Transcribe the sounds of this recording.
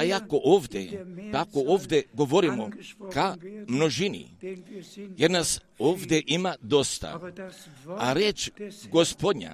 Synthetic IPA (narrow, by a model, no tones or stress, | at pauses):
jakoʔoːʋd̪ḛt̪akoovd̪ʲeɡoʋoɾimokamnoʒinḭ | jeɾnas | oːvd̪eʔimad̪ost̪a̰ | aɾet͡ʃɡospod̪ɲa̰